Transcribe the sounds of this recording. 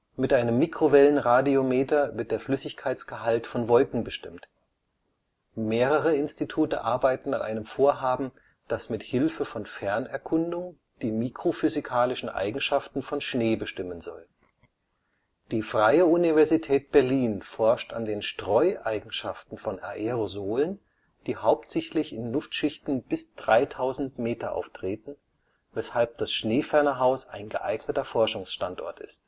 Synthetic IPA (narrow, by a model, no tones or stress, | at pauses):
mɪtʔaɪnəmːikʁ̥ovɛlənʁaːdiomeːtɐvɪɐt̚d̥eːɐflʏsɪçkʰaɪt͡sɡ̥əɦaltfɔnvɔlkŋ̩bəʃtɪmt | meːʁəʁəɪnstitʰuːtə̰ʔaɐbaɪtn̩a̰nʔa̰ɪnəmfoːɐɦaːbm̩ | d̥asmɪthɪlfəfɔnfɛɐnɛɐkʰʊndʊŋ | d̥iːmikʁ̥ofyzikʰaːlɪʃn̩ʔa̰ɪɡŋ̩ʃaftn̩fɔnʃneːbəʃtɪmənzɔ̰l | d̥iːfʁ̥aɪəunivɛɐzitʰɛːt̚b̥ɛɐliːnfɔɐʃta̰ndeːnʃtʁ̥ɔʏʔaɪɡŋ̩ʃaftn̩fɔnʔa̰ʔeʁozoːlən | d̥iːhaʊptz̥ɛçtlɪçɪnlʊftʃɪçtn̩b̥ɪsd̥ʁaɪtʰaʊzn̩tmeːtɐʔa̰ʊftʁ̥eːtn̩ | vɛshalp̚d̥asʃneːfɛɐnɐɦaʊsa̰ɪnɡəʔaɪɡnətɐfɔɐʃʊŋsʃtantʔɔ̰ɐtɪ̰st